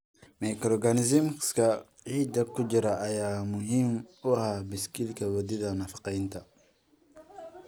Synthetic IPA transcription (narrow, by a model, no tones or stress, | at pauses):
mɛkɾɔɡanɪzɪmskʰɐ | ʕiːd̪ɐkʰʊd͡ʒɪɾɐʔɐjaːmʊɦimʊhaːbɪskilkʰɐwɐd̪ɪðɐnɐfɑ̥qɛjnt̪ʰɐ